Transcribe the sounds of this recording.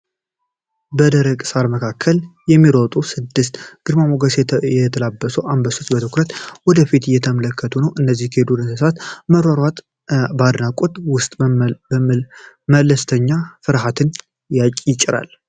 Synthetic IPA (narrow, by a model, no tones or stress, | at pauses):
bəd̪əɾəɡʼsaɾməkʰakʰːəljɛmːiɾot̪ʼusɨd̪ːɨst̪ɡ̥ɨɾmamoɡəsjɛt̪ʰəlabːəsəwʔambəsot͡ʃbət̪ʰɨkɾət̪wɔd̪əfit̪ɨjɛt̪ʰəmələkːət̪ʰunəwʔɨnːəzːihkʰəhed̪ud̪ɨnsɨsat̪məɾaɾwat̪ | bad̪nakʼot̪ʼwʊst̪ʼ | mələst̪ʰəɲːafɨɾɦat̪ʰɨn | jat͡ʃʼjɪt͡ʃʼːɪɾa̰l